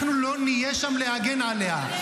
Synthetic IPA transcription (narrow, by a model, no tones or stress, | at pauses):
nulonːijeʃɐmleaɡenaːlja